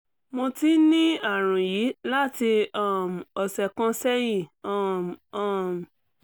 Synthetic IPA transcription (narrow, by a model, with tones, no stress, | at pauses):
mõ˧ti˦nĩ˦a˦˨ɾ̃ũ˨ji˨˦la˦ti˧a˦˨m˨ɔ˨sɛ˧kã˦sɛ˦jĩ˦˨a˦˨a˦˨m˨